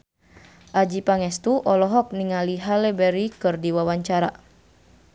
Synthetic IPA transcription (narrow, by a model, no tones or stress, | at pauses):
ʔad͡ʒipaŋɛst̪uʔɔlɔɦɔk̚niŋaliɦalɛbɛɾikɨrdiwawaɲt͡ʃaɾa̰